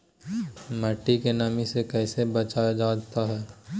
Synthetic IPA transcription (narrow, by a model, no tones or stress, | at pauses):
mɐʈːikenaːmĩsekɛːsebɐt͡ʃaːjad͡ʒaːd̪t̪aɦɛː